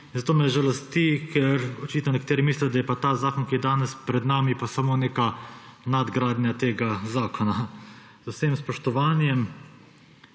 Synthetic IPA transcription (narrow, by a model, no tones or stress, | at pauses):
inzat̪oːmɛʒɛlɐst̪ikʰɛɾɔt͡ʃit̪nɔnɛkat̪eːɾimiːslɛjd̪ajɛpat̪aːzaːkɔnkijɛd̪aːnɛspɾɛd̪naːmipasamoːneːkanad̪ɡɾaːd̪nʲjat̪eːɡazaːkʰɔna | zʊsemspɔʃt̪ɔʋaːnjɛm